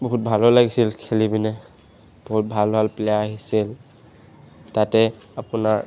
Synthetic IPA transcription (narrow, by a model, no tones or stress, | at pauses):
bɔɦut̚bʱalɔlaɡisilkʰelibinɛ | b̥ɔɦut̚bʱalbʱalplɛjaaɦisil | tatɛ | apuna